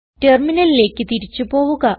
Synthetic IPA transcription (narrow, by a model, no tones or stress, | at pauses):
te̞rminɐlile̞ːkːɨt̪iɾit͡ɕːupo̞ːʋuɣɐ